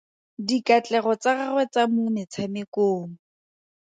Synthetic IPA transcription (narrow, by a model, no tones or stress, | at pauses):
dikat͡ɬʼɛɣɔt͡saɣarwɛt͡samunɛt͡sʰamɪkoːŋ̩